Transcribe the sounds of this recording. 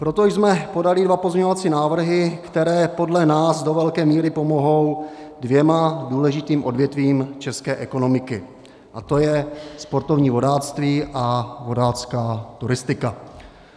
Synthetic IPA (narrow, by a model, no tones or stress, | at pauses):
pɾo̞t̪ojzmɛpo̞dalɪdvapozɲɛɲo̞vat͡siːnaːvr̩ɦɪkt̪ɛɾɛːpo̞dlɛnaːsdo̞vɛlkɛːmiːɾɪpo̞mo̞ɦo̞wdvjɛmaduːlɛʒɪt̪iːmʔo̞dvjɛt̪viːmt͡ʃɛskɛːʔɛko̞no̞mɪkɪ | ʔat̪o̞jɛspo̞ɾt̪o̞vɲiːvo̞daːt͡st̪viːʔavo̞daːt͡skaːt̪uɾɪst̪ɪka